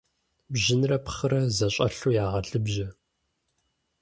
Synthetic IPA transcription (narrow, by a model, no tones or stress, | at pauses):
bʑɪnrɐpχɨɾɐzɐɕʼɐ̰ɬujaːʁɐɮɨbʒɐ